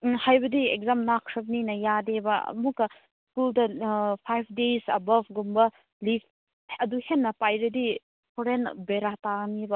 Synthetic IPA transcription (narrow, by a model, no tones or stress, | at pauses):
hajbɐdiek̚zamnakʰɾɐbninɐjadebɐ̰mukɐ | skuldɐpʰajpʰdesɐbɐvɡumbɐ | lifʰ | ɐduhenːɐpajɾɐdi | pʰɔɾenbeɾatanibɐ